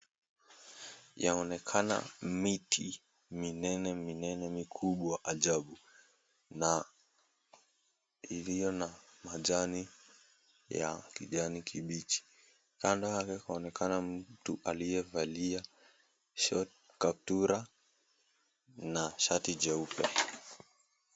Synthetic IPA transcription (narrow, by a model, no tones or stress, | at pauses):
jaɔnɛkʰana̰miti | minɛnɛminɛnɛmikʰuɓwaaʔaʄaɓu | na | ilijɔnamaʄani | ja̰kiʄanikʰiɓit͡ʃi̥ | kandɔhakɛkaɔnɛkanam̩tuʔalijɛvalia | ʃɔt̚ | kap̚tuɾa | naʃatid͡ʒɛupɛ̰